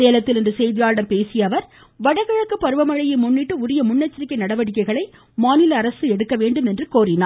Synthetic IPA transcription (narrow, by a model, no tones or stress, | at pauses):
eːlɐt̪ːɪlɪndrɯsɛjðɪjaːɾɽɐɾpeːsɪjɐʋɐɾ | ʋɐɽɐɣɐɻɐkːɯpːɐɾɯʋɐmɐɻɐjɪmʊnːɪʈːɯʊɾɪjɐmʊɳːɐt͡ʃːɐɾɪkːɐɪnɐɽɐʋɐɽɪk̬ːɐɪɣɐɭɐɪ | maːnɪlɐːɾɐsɯɛɽɯkːɐʋeːɳɖɯmɛndrɯkoːrɪnaː